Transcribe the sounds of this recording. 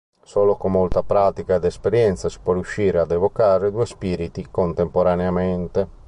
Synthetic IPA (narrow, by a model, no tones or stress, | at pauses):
sɔːlokomːolt̪apɾaːt̪ikad̪ɛspeɾjɛnt̪sasi̥pwɔɾjuʃːiːɾead̪ɛvokaːɾed̪uːespiːɾit̪ikont̪empoɾaneamɛnt̪e